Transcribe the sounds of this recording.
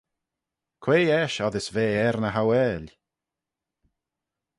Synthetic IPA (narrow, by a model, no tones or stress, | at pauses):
kʰweːɛʃɔðɪsveːɛɾnəɦawɛːlʲ